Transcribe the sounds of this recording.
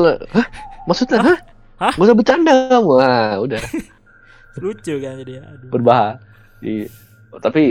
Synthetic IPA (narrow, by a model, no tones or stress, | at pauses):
lhəhmaksut̪̚ɲaɦah | ɡusabət͡ʃandaamuauda | lut͡ʃukabərbaɦa | dḭ | t̪api